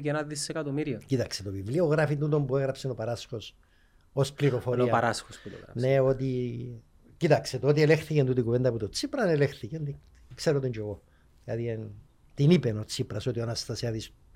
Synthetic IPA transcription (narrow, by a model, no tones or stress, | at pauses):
kenɐðisekɐt̪omiɾiocit̪ɐkset̪o̞vivlioɣɾɐfit̪nut̪o̞mpueɣɾɐpsenopɐɾɐsxo̞s | o̞spliɾo̞fo̞oɐpaɾasxosput̪o̰ɣɾɐne̞o̞t̪i | cit̪ɐkset̪oot̪ielexθicent̪ut̪ikuvend̪ɐput̪ot͡sipɾɐnelexθicend̪i | kse̞ɾot̪iɲd͡ʒoɣo | ilɐ̰ðin | t̪inipeno̞t͡sipɾɐso̞t̪ionɐst̪ɐseɐðis